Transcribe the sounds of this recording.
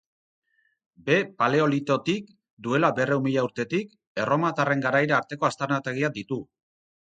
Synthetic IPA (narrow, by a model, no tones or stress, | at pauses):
be̞pale̞o̞lit̪o̞t̪ik | d̪ue̞labe̞reumiʎauɾt̪e̞t̪ik | e̞ro̞mat̪are̞ŋɡaɾajɾaːɾt̪e̞ko̞ast̪eɾnat̪e̞ɣ̞iad̪it̪u